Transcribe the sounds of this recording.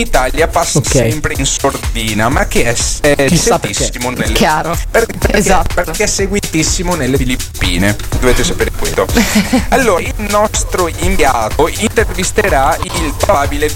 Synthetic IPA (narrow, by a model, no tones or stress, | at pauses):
it̪aljapasːoksɛmpɾeinsord̪iːnamak̟ːeɛsɛset̪isːimonelːjaːɾoppezat̪ːpeɾkːeɛsːeɡwit̪isːimonelːefilipːḭːned̪oveːt̪esapeːɾekwḛlːoalːoːɾailnɔst̪ɾoiɱd̪jaːt̪oint̪ervist̪eɾailpɾobabile